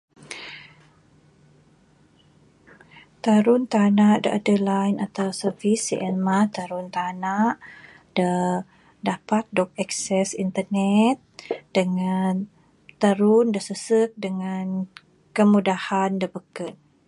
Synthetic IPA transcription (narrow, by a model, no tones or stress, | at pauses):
t̪aɾʊnt̪anaʔdəʔadəlajnat̪awsəfisḭʔɛnmat̪aɾunt̪anaʔ | d̥ə | dapat̪̚dɔk̚ɛksɛsint̪ənɛt̪̚d̥əŋan | t̪aɾʊndəsəsək̚dəŋan | kəmudahandəbəkən